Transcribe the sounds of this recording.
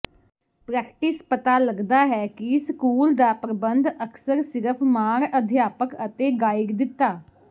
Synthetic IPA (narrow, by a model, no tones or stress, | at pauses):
pɾɛːkʈɪspət̪aːləɡd̪aːɦɛːkɪskuːld̪aːpɾəbənd̪əksəɾsɪɾəpʰmaːɾəd̪ʱjaːpəkət̪eːɡaːɪkd̪ɪt̪ːaː